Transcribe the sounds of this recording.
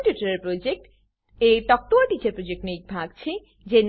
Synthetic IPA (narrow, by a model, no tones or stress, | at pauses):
ʈjuʈaɾeɾpɾod͡ʑek̚ʈ | eʈ̪ɔk̚ʈ̪oaʈit͡ɕeɾpɾod͡ʑek̚nik̚bʱaɡ̚t͡ɕʰe | d͡ʑen